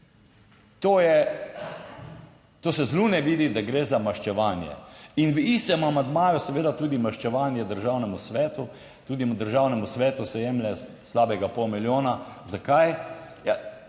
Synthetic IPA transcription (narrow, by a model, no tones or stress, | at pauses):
t̪oːjɛ | t̪oːsɛzluːnɛʋiːd̪id̪aɡɾeːzamaʃt͡ʃɛʋaːnjɛ̰inʋist̪ɛmamand̪maːjusɛʋeːd̪at̪uːd̪imaʃt͡ʃɛʋaːnjɛd̪əɾʒaːwnɛmusʋɛːt̪u | t̪uːd̪imd̪əɾʒaːwnɛmusʋɛːt̪usɛjɛːmlɛ | slaːbɛɡapɔwmiljoːnazakaj | ja